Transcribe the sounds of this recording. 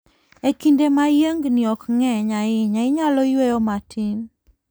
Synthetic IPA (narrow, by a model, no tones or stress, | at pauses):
ekindemajəŋɡnɪɔkŋɛɲaɪɲaɪɲalɔjwejɔmatʰin